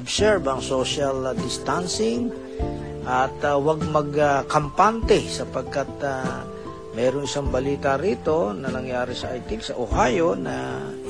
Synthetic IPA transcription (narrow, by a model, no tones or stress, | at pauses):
bsɛɹbɐŋsoʃɐld̪ɪst̪ansɪŋ | ʔɐt̪waɡ̚mɐɡkɐmpant̪ɛsɐpɐɡ̚kat̪̚a | mɛːɾoŋʔɪsaŋbɐliːt̪aɾiːt̪o̞nɐnɐŋjaːɾɪsɐʔajt̪ɪksɐʔohaːjonɐ̰